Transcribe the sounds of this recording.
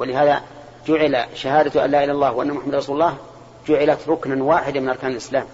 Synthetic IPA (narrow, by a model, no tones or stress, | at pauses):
wɪlɪɦaːða̰ | d͡ʒʊʕɪla̰ʃahaːd̪at̪ʔa̰nlaːʔɪlːaːlˤːɑːhwɪʔanːamʊħamːad̪rˤɑsuːlˤːɑːh | d͡ʒʊʕɪlat̪ɾˤʊknanwaːħɪd̪amɪnʔɑɾˤkaːnlʔɪslaːm